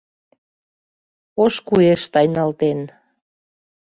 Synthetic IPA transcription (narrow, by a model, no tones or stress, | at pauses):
oʃkueʃt̪ɑjnɑlt̪en